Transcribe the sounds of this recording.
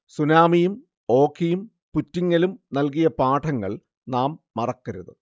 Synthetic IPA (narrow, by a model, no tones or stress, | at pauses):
sunaːmijum | o̞ːkʰːijum | putːiŋːɐlumnɐlkijɐpaːʈʰɐŋːɐɭ | naːmːɐrɐkːɐɾṵðɨ̰